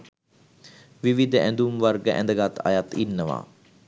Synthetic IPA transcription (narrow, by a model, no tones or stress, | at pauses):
ʋiʋid̪ʱəʔænd̪umʋarɡəʔæ̰nd̪əɡat̪a̰jat̪inːəʋa̰ː